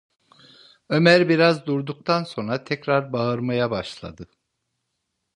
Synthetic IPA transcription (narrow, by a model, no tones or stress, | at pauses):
ømæɾbiɾazd̪uɾd̪uk̚t̪ʰanso̞nɾat̪ʰɛcɾaɾbaɯɾmajabaʃlˠa̰d̪ɯ